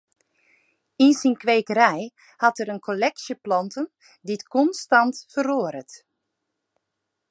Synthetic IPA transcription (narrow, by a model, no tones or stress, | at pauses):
insinkʋeːkəɾɛj | hɑtəɾənkʰolɛksjəplɔntən | ditkɔnstɑntfəroːəɾət